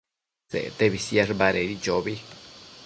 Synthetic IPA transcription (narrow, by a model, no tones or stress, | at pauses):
sḛt̪eβisjeʐbaɾeɾid͡ʒobi